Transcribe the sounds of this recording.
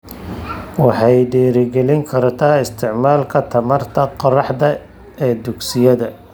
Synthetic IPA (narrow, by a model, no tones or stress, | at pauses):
wɑħɑjɖɛːɾɪɡɛlɪŋkʰɐɾt̪ʰaːɪst̪ʰɪʕmaːlkʰɐt̪ʰɐmɐrt̪ʰɐqɔrɑħd̪ɐ | ɛːd̪ʊɡsɪjɐðɐ